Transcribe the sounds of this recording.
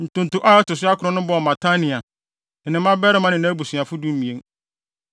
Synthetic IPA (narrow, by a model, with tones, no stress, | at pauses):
n̩˨tʊ̃˨n˨tʊ˨ʔa˦tʊ˨sʊ˦a˦kʰʊ˨ɾɔ̃˦nʊ̃˦bɔ˦˨mã˨tʰa˦nɪ̃˨a˨ | n̩˨nɪ̃˨˦mã˦bɛ˦ɾɪ˦mã˦nɪ̃˨nã˦æ˦bu˨su˨a˨fʊ˦du˦m̩˦mĩ˨ẽ˦ŋ